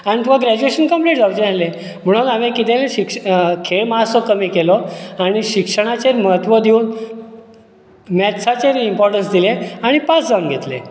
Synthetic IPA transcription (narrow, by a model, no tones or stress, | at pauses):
aɽ̃it̪ũʋ̤aɡɾæd͡ʑueɕənkəmpleʈd͡zaʋd͡ʑənale | m̤əɽ̃ulamẽkit̪eneɕikʂkʰeɭmaɦasɔkəmiːkelɔaɽ̃iɕikʂəɽ̃at͡ɕeɾməɦət̪ʋəd̪ʱeuːn | mɛt̪t͡sʰat͡ɕeɾimpɔɾʈənsd̪ileaɽ̃ipasd͡zaŋɡɡʱet̪lḛ